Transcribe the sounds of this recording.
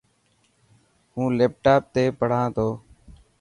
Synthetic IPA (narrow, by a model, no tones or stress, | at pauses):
hũːleːp̚ʈaːp̚t̪eːpəɽ̤ãːt̪ʰoː